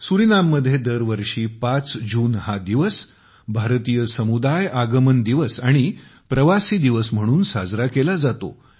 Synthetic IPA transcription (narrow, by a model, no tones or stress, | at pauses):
suɾinamːəd̪ʱːjed̪əɾʋəɾʂiːpat͡sd͡ʑuːnhad̪iʋəs | bʱaɾt̪ijəsəmud̪ajaɡəmənd̪iʋəsaɽ̃i | pɾəʋasiːd̪iʋəsm̤əɽ̃uːnsa̰d͡zɾakelad͡zat̪o̰